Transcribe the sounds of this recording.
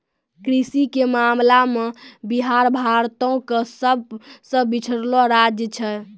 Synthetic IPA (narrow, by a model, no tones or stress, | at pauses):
kɾisikemamlamebiɦaɾbʱaɾt̪õkesəbʱsə̃bit͡ʃʰəɾloɾad͡ʒjət͡ʃʰɛ